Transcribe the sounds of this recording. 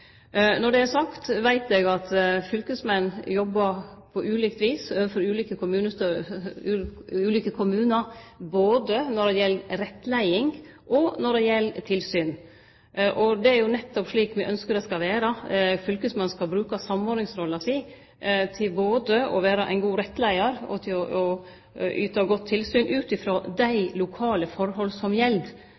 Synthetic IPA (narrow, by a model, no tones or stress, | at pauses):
nɔɖɛæsɑkt̪ʋæɪt̪ɛɡɑt̪fʏlkəsmɛnːjɔbːəɾpʰɔʔʉːlɪkt̪ʋiːsøːʋəfɔɾʉːliːkəkʰʊmʉːnəː | ʉːliːkəkʰʊmʉːnəɾboːd̪ənɔɾɖɛjɛlːɾɛt̪ːlæɪɪŋ | ʔɔnɔɖɛjɛlːt̪ʰɪlsyːn | ʔɔd̪ɛæɾjʊnɛt̪ːɔpʂɭiːkmɛʔœnskəɾɛskɑʋeːɾɑfʏlkəsmɑnskɑlbɾʉːkɑsɑmːɔːɾnɪŋsɾɔlːɑsi | t̪ʰɪlboːd̪əɔ̰ʋeːɾɑʔæ̰ɪnɡuːɾɛt̪ːlæɪɑɾɔ̰t̪ʰɪlɔɔ | yːt̪ɑɡɔt̪ʰːɪlsyːnʔʉːt̪ɪfɾoːd̪æɪlʊkʰɑːləfɔɾɦɔlsɔmjɛld̪